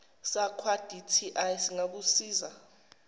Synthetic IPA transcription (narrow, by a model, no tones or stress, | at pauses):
sakʰwad̥ʱitʰiʔajsiŋak̬usiːza